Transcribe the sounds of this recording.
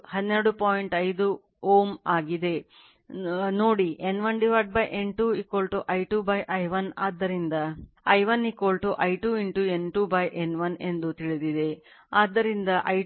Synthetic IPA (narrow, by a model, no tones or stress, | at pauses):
hɐd̪neɾɐɽupoːjiɳʈɐjd̪u | oːmaːɡid̪e̞ | noːɽiʔenʋɐnɖiʋaɾʈ̚bɐjʔeɳʈuikoːlʈuʔɐjʈuːbɐjʔɐjʋɐnaːd̪ːɐɾind̪ɐ | ɐjʋɐnikolʈuʔɐjʈuiɳʈuenʈubɐjʔenʋɐne̞nd̪ut̪iɭid̪id̪e̞aːd̪ːɐɾind̪ɐʔɐj